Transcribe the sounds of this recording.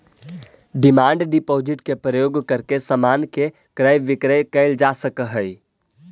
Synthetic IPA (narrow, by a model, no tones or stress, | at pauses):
ɖɪmaːɳɖɖɪpoːd͡ʒɪʈkepɾəjoːɡkəɾkesəmaːnke | kɾəjʋɪkɾəkəɪld͡ʒaːsəkəɦəi